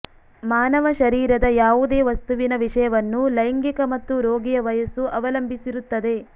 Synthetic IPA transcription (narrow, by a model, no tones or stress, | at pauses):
maːnɐʋɐʃɐɾiːɾɐd̪ɐjaːʋud̪e̞ːʋɐst̪uʋinɐʋiʂɐjɐʋɐnːulɐjɐŋɡikɐmɐt̪ːuɾoːɡijɐʋɐjɐsuʔɐʋɐlɐmbʱisiɾut̪ːɐd̪e̞